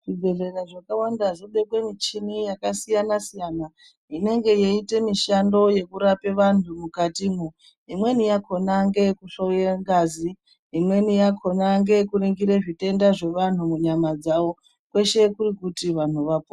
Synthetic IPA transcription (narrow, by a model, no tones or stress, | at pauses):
ʐ̥iɡʱe̞ɮe̞raʐakawandaʐoɓe̞kwe̞mit͡ʃinijakasijanasijana | ine̞ŋɡe̞jeite̞miʃando̞je̞kuɾape̞ʋan̤umukatimu | imwe̞nijakʰo̞naŋɡe̞kuɬojeŋɡazi | imwe̞nijakʰo̞naŋɡe̞kuriŋɡiɾeʐite̞ndaʐe̞ʋan̤umuɲamad͡zawo̞ | kwe̞ʃe̞kuɾikutiʋan̤uʋapo